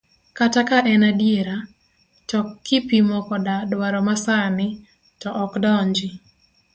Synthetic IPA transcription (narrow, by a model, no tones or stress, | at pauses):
katakaʔɛnadjeɾa | tɔkːipimɔkɔdadwaɾɔmasanɪ | tɔʔɔkdɔɲd͡ʒɪ